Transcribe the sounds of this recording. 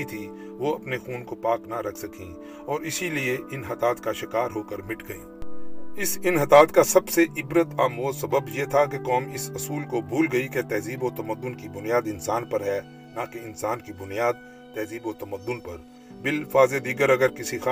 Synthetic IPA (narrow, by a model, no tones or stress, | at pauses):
it̪ʰi | ʋoɐpnexuːnkopaːknaɾɐkʰsɐkʰĩ | ɔːɾɪsilieʔɪnɦɐt̪aːt̪kaʃɪkaːɾɦoːkəɾmɪʈʰɡɐḭːɪsɪnɦɐt̪aːt̪kasɐbseʔɪbɾət̪aːmoːsɐbəbjet̪ʰak̬ekɔːmɪsɐsuːlkobʱuːlɡɐiket̪ɛːziːbot̪ɐməd̪ːʊnkibʊnijaːd̪ɪnsaːnpɐɾɦɛː | nakeɪnsaːnkibʊnijaːd̪̚ | t̪ɛːziːboːt̪ɐməd̪ːʊnpɐɾ | bɪlfaːzed̪iːɡəɾɐɡəɾkɪsixa